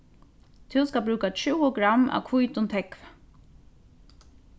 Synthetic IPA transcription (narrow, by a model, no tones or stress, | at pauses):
t̪ʰɪwskabɾʉːkat͡ʃʰuwəɡɾamːa̰wkʰvujt̪ʊnt̪ʰɛkv